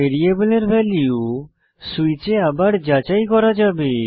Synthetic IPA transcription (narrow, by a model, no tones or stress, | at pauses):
eɾiebəleɾbʱɛliu | suit͡ʃeabaɽd͡ʒat͡ʃajkɔɾad͡ʒabe